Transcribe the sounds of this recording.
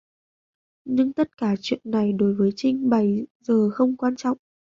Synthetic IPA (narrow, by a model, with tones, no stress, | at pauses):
ɲɨ˧ŋt̪ə˦˥t̚kaː˧˩t͡ɕwḭ˧˨ənːa˨˩jɗo˨˦jvəː˨˦jt͡ɕï˧ŋ̟ɓa˨˧˩jzəː˨˩xə˧wŋ͡mkwaː˧nt͡ɕɔ̰˧˨wŋ͡mʔ